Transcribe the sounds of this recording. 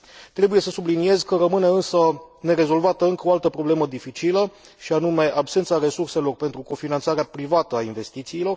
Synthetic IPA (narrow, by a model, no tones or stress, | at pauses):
t̪ɾe̞buje̞səsublinie̞zkəɾəmɨne̞ɨnsəne̞ɾe̞zo̞lvat̪əɨŋkəoalt̪əpɾo̞ble̞məd̪ifit͡ʃilə | ʃianume̞ʔabse̞nt̪saɾe̞surse̞lo̞rpent̪ɾuko̞finant̪saɾeapɾivat̪əainve̞st̪it̪siːlo̞r